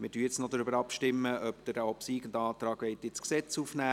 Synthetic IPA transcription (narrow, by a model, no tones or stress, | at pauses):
mɪtyəjɪt͡snod̪ɾʏbəɾɑpʃtɪmːəœpd̥̪əɾɔpsiːɡən̩d̪ɑːt̪ɾɑːɡʋɛɪt̪ɪt͡sksɛt͡sufnæː